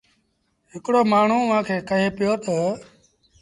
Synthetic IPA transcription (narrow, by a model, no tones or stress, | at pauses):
ɦɪkɽoːmaːɳ̤ũːʋãːkʰeːkəɦeːpɪjoːt̪ə